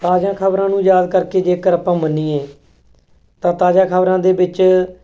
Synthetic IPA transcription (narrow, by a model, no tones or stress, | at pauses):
t̪aːd͡ʒãːkʰəbɾãːnũːjaːd̪kəɾkeːd͡ʒeːkəɾapãːmənːiːẽː | t̪ãːt̪aːd͡ʒãːkʰəbɾãːd̪eːbɪt͡ʃ